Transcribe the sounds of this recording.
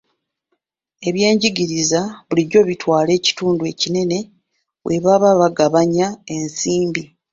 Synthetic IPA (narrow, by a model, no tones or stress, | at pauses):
e̞βje̞ːɲɟiɟiɾizaβuliɟo̞βitwaːle̞ːci̥tuːndue̞cine̞ne̞ | wʔe̞βaβaβaɡaβaɲae̞nsiːmbi